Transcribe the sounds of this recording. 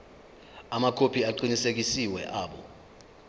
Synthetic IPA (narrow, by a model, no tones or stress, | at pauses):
amakʰopʰiaǃinisek̬isiwɛ̰ʔaːɓɔ̰